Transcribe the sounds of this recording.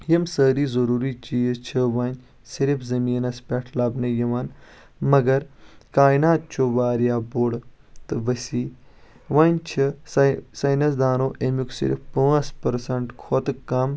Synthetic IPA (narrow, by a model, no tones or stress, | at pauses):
jɐmsəːɾiːzɐɾuːɾiːt͡ʃiːzt͡ʃʰiʋɐːnʲ | siɾifʰzɐmiːnɐspʲɛʈʰlɐbnɐjɐʋaːn | mɐɡɐɾkaːinaːt̪̚t͡ʃʰoʋaːɾjaːboːɽ | t̪ɨʋɐsiː | ʋaːnʲt͡ʃʰisɐjnɐsd̪aːnoːʔemjuksḭɾ̰fpɐspɐɾsɐɳʈkʰoːt̪kɐm